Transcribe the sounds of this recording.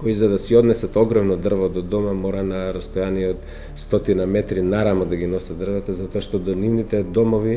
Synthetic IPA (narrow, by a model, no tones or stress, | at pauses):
koizad̪asiɔd̪nɛsat̪ɔɡɾɔmnɔd̪r̩vɔd̪ɔd̪ɔmamɔɾanaɾast̪ojaniɛɔt̪ | st̪ɔt̪inamɛt̪ɾinaɾamɔd̪aɡinɔsad̪d̪r̩vat̪azat̪oaʃt̪ɔd̪ɔnivnit̪ɛd̪ɔmɔvi